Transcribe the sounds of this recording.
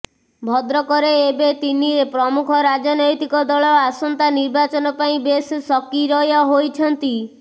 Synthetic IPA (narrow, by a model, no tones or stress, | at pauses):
bʱɔd̪ɾɔkɔɾeːbet̪iniɾepɾɔmukʰɔɾad͡ʒɔnɔjt̪ikɔd̪ɔɭɔasɔnt̪aniɾbat͡ʃɔnɔpaĩbessɔkiɾɔjɔɦojt͡ʃʰɔnt̪i